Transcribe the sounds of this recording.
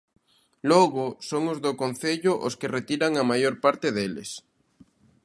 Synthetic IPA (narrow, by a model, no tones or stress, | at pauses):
loɣosoŋozðokon̟θeʎoʔo̰skeret̪iɾaŋamajoɾpaɾt̪eðelḛs